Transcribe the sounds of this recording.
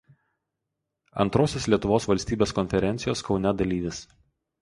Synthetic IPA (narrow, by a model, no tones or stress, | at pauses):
ɐ̰nt̪ɾoːsʲoːslʲiɛt̪ʊʋoːsʋɐlʲsʲt̪ʲiːbʲeːskɔnʲfʲɛɾʲɛnʲt̪ʲɪjoːskɒʊnʲɛd̪ɐlʲiːʋʲɪs